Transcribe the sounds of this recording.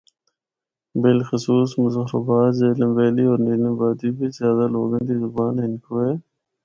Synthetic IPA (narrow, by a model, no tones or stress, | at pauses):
bɪlxʊsuːsmʊzəɦɾə̰baːt̪zeːləmʋeːliːoːɾniːləmbaːd̪iːbizjaːd̪aːloːɡənd̪iːzʊbaːnɪnkʰoːeː